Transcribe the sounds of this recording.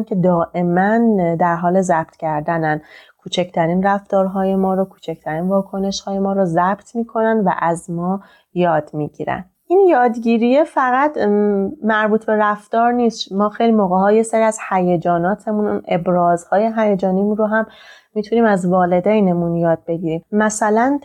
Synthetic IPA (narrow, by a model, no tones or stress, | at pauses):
nkʰed̪ɒːʔe̞mænd̪æɾɦɒːle̞zæb̥̚t̪ʰcʰæɾd̪ænænkʰuːt͡ʃʰecʰt̪ʰæɾiːnræft̪ɒːɾɦɒːje̞mɒːɾokʰuːt͡ʃʰecʰt̪ʰæɾiːnvɒːkʰo̞ne̞ʃhɒːje̞mɒːɾozæb̥t̪ʰmiːkʰo̞nænd̪væ̰ʔæzmɒː | jɒːd̪miːɟḭːɾæ̰ndʔinjɒːd̪ɟiːɾijefæɣæt̪mæɾbuːt̪ʰbe̞ɾæft̪ɒːɾniːsmɒːxe̞jlimoːɣeɦɒːje̞seɾiæz̥hæjed͡ʒɒːnɒːt̪ʰe̞munṵne̞bɾɒːzhɒːje̞ɦæjed͡ʒɒːnimuɾoɦæmmːiːt̪ʰuniːmæzvɒːle̞d̪ejnemunjɒːd̪̥̚be̞ɟiːɾiːmːæsælæn